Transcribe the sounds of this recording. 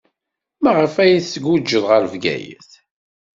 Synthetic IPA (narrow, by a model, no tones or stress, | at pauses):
mæʁəfæjiθsəɡud͡ʒːəðˤʁəɾvɡæ̰jə̰θ